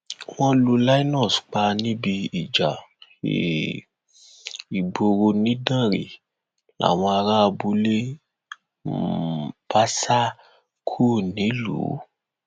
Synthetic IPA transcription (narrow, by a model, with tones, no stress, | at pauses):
w̃ɔ̃˦lu˧la˦i˦nɔ̃˦˨sk͡pa˧nĩ˦bi˧i˨d͡ʒa˨ḛ˦˨ | i˨ɡ͡bo˧ɾo˧nĩ˨˦dã˦˨ɾḛ˨ | la̰˨w̃ɔ̃˧a˧ɾa˦˧bu˧˦le˦ | pa˦sa˦ | kʰu˦˨nĩ˨˦lṵ˨˦